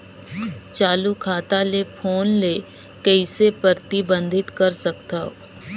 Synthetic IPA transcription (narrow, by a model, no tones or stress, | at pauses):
t͡ʃaːlukʰaːt̪alepʰoːnle | kəɪsepəɾt̪ibə̃nd̪ʱɪt̪kɐɾsɐkt̪aɦo